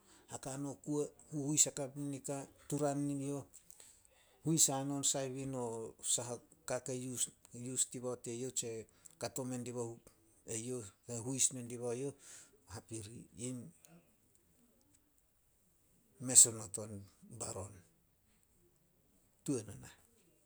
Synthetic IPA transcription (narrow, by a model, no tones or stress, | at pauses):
hakano̞kuehuhujsakapinikatuɾanːio̞ | hujsano̞nsajβinosaɦakakejujustiβaote̞jo̞t͡ʃe̞kato̞me̞ndiβahu | e̞jo̞heɦujsme̞ndiβajo̞hapiɾiim | me̞sonoto̞nbaɾo̞n | tuenona